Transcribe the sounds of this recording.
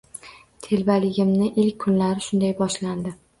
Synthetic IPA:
t̪ʰe̞lbalɪɡʲɪmnɪʔɪlkʲʰːʊnlaɾɪʃʊnd̪ajbɒʃland̪ɪ

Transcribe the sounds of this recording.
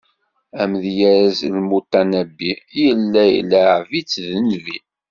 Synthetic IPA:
æmðjæɾæzlmut̪ːænæbːijəlːæj̰lːæʕvit͡sːðənvi

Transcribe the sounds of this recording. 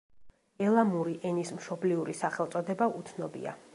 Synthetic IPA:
ɛlˠamuɾiʔɛnismʃɔbliuɾisaχɛlˠt̪sʼɔd̪ɛbaʔut̪sʰnɔbḭa̰

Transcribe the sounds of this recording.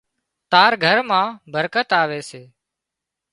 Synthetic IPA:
t̪aːɾɡʱəɾmãːbʱəɾkət̪aːʋeːseː

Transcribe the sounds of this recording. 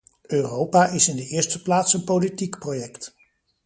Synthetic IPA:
øːrowpaːɪsɪndəɪːɹstəplaːtsənpolitikprojɛkt

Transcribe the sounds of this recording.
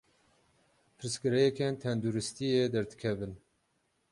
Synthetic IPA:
pʰɨɾɨskɨɾɛjɛkɛnt̪ʰɛnd̪uɾɨst̪ijed̪ɛɾd̪ɨkʰɛvɨn

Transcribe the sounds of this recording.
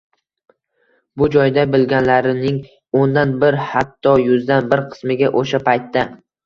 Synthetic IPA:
bʊd͡ʒɒjd̪abɪlɡʲanlaɾɪnɪŋ | ond̪anbɪɾhat̪ʰːɒjʊzd̪anbɪɾqʰɨ̥smɪɡʲaʔoʃapʰajt̪ʰːa

